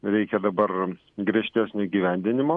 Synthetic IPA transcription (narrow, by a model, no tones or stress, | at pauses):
ɾʲɛɪkʲɛd̪ɐbɐr | ɡɾʲiɛʃʲt̪ʲæːsʲnʲoiɡʲiːʋʲæˑnʲd̪ʲɪnʲɪmoː